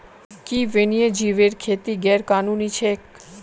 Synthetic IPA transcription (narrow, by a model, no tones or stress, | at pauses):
kiʋenied͡ʑiʋeɾkʰet̪iɡɛɾkanunit͡ɕʰek̚